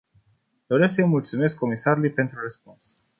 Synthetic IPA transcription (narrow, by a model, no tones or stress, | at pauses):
d̪̥o̞ɾe̞sksəjmult̪sume̞skʰːo̞misaɾulujpe̞nt̪ɾurəspuns